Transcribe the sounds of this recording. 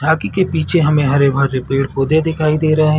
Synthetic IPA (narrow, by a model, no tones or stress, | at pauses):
aːkikepiːt͡ʃʰeɦɐmẽɦɐɾebʱəɾːɪpiːʈxoːd̪ed̪ɪkʰaːid̪eːɾɐɦeɦɛ̃